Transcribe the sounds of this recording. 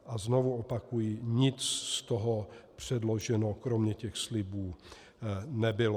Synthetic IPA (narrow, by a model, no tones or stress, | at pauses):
ʔaznovuopakujiɲɪt͡sst̪oɦopr̝̥ɛdloʒɛnokɾomɲɛcɛxslɪbuː | nɛbɪlo